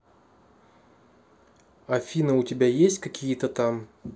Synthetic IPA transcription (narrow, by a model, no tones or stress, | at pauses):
ɐfʲinəʊtʲɪbʲajesʲtʲkɐkʲijət̪ət̪am